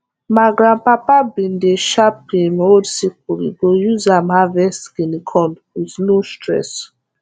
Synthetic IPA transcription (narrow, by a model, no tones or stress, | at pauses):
maɡɾãnpapablĩndeʃap̚imodsik̚uɾḭɡojuzamhavɛsɡinikʰɔ̃ndwiznostɾɛ̰s